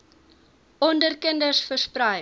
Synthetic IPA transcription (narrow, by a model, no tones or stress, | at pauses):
ɔndərkəndərsfərsprœj